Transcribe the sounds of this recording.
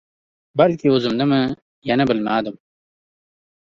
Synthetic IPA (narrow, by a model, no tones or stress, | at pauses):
bɐlkiozumd̪ɐmɐ | jɐnɐbɐlmaːd̪ɐm